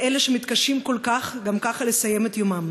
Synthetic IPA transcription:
ʔeleʃemit̪kaʃimko̞lkaχɡamkaχalesajemet̪jomam

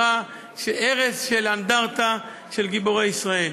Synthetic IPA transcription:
a | ʃeʔeʁesʃeland̪aʁt̪a | ʃelɡiboʁejisʁael

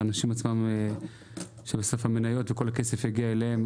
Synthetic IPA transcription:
anaʃimat͡smam | ʃebesofhamenajo̞t̪veko̞lhake̞se̞fjeɡiaeleem

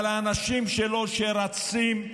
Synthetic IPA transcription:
laːnaʃimʃelo̞ʃeɾat͡sim

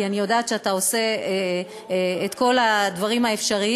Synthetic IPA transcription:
ianijo̞daːt̪ʃeatao̞se̞ | et̪ko̞ladvaʁimhaefʃaʁi

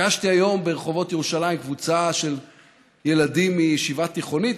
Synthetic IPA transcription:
aʃtiajo̞mbe̞ʁeχo̞vo̞t̪jeʁuʃalaimkvut͡saʃe̞l | je̞ladimːijɛʃivat̪iχo̞nit

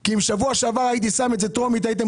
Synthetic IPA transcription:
kiimʃavuaʃeavaʁajit̪̬isametzet̪ʁo̞mit̪ajit̪̬em

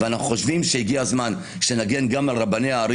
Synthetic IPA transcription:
veanaχuχoʃvimʃeiɡiazman | ʃenaɡe̞nɡamalʁabanejaːɾi

